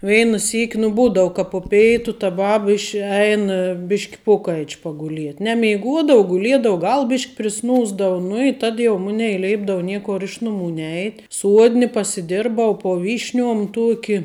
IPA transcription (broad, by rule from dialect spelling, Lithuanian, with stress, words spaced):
ˈʋʲɛɪnɐ ˈsʲiːkʲ nʊ ˈbuːdɐʊ kɐ poː ˈpʲɛɪtʊ tɐ ˈbɑːbɐ ɪʃ ˈɛɪn ˈbʲɪʃʲkʲ ˈpoːkɐɪt͡ʃ pɐɡʊˈlʲiɛtʲ nʲɛmʲɛɪˈɡuɔdoːʊ ɡʊˈlʲiɛdoːʊ ˈɡɐlˠ ˈbʲɪʃʲkʲ pʲrʲɪˈsnuːzdɐʋʊ nʊ ɪ tɐt ˈmʊnʲɛɪ ˈlʲɛɪbdɐʊ ˈnʲiɛkoːr ˈɪʃ nʊˌmuː ˈnʲɛɪtʲ ˈsuɔdʲnʲɪ pɐsʲɪˈdʲɪrbɐʊ poː ˈʋʲiːʃʲˌnʲuɔm ˈtuɔkʲɪ